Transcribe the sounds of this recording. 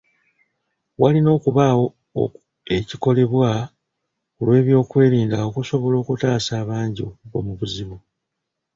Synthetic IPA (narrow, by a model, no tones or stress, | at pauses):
walino̞ːkuβawo̞̰ | e̞ciko̞le̞βwa | kulwe̞ːβjo̞ːkwe̞ːɾiːndao̞kuso̞βo̞lo̞ːkutaːsaːβaːɲɟiɡo̞̰muβuziβu